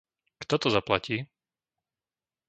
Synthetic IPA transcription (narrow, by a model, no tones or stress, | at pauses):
kt̪ɔt̪ɔzaplaciː